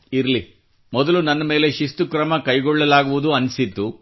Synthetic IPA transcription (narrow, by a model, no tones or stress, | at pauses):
iɾɐli | mɔd̪ɐlunɐnːɐme̞ːleʃist̪ukɾɐmɐkɐjɡɔɭːɐlaːɡuʋud̪uɐnsit̪ːu